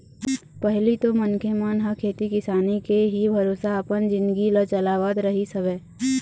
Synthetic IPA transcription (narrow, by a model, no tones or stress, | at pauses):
pəɦlit̪omənkʰemaːnɦəkʰeːt̪ikɪsaːnikeɦibʱɐɾoːsaəpənd͡ʒɪ̃nd̪ɡilət͡ʃɐlaːʋaːd̪ɾɐɦisɐʋɛː